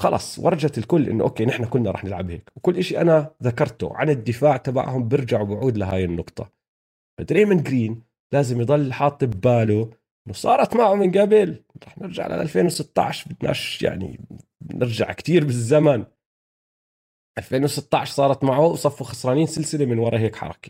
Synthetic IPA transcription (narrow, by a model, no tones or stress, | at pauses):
xɑ̰lʔɑ̰ːsˤwʔɑ̰ɾˤɑd͡ʒat̪lkʊlːʔɪ̰nːʊʔo̰ːkːeːnɪħnakʊlnaˤɑ̰ːħnɪlʕa̰bhḛːkwkʊlːʔaʃiʔanaðakɑɾˤt̪ṵʕa̰nɪd̪ːɪfaːʕt̪aba̰ʕhʊmbɪɾd͡ʒaʕwbɪʕuːd̪laɦa̰ːjɪnːʊqt̪ˤɑ̰ | fad̪ɾeːmɪnɡɾiːn | laːzɪmjd̪ˤɑlːħɑːt̪ˤːɨbːaːluʔʔɪnːʊsˤɑ̰ːɾˤɑt̪maʕumɪnɡabɪlɾˤɑːħnɪɾd͡ʒa̰ʕlʔa̰ʔa̰lfeːnwsɪt̪ːɑ̰ʕʃbɪd̪na̰ːʃja̰ʕnḭ | nɪ̰ɾd͡ʒa̰ʕkt̪iːɾbɪzːaman | ʔalfeːnwɪsɪt̪ːɑʕʃsˤɑːɾˤɑt̪maʕuwsˤɑfːuxɑsɾˤɑːniːnsɪlsɪlemɪnwɑɾˤɑɦeːkħɑ̰ɾˤɑ̰ki̥